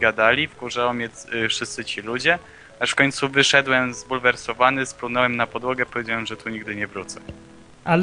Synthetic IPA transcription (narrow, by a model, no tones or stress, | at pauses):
ɡad̪alʲifkuʐawɔmʲjɛfʂɘst̪sɘt͡ɕilud͡ʑɛ | aʂfkɔɲt̪suvɘʂɛd̪wɛmzbulvɛɾsɔvanɘsplunɔwɛmnapɔd̪wɔɡɛpɔvʲjed͡ʑawɛmʐɛt̪uɲiɡ̚d̪ɘɲɛvɾut̪sɛ | a